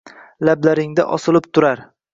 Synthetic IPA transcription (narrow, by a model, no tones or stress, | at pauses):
lablaɾɪŋd̪a̰ʔɒsɪlˠɪpt̪ʰʊɾaɾ